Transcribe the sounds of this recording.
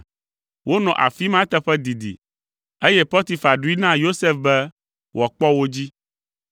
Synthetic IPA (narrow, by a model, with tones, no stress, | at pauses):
wʔo˦nɔ̃˨ʔa̰˨fi˦mã˦t̪ɛ˦ɸɛ˦d̪i˨d̪ḭ˨ | e˦jɛ˦pɔ˦t̪i˨fa˨ɖu˦i˦nã˦jo˦se˦fbɛ˦ | wʔɔ˨k͡pɔ˦wo˦d͡ʑi˦